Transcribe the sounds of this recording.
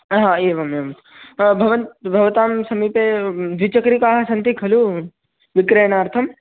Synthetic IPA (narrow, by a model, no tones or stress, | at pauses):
ɦãːeːʋɐmemt̪ | bʱɐʋɐnt̪bʱɐʋt̪aːmsɐmiped̪ʋit͡ʃɐkɾikaːɦɐsɐnt̪ikʰɐlu | ʋikɾejnaːɾt̪ʰɐm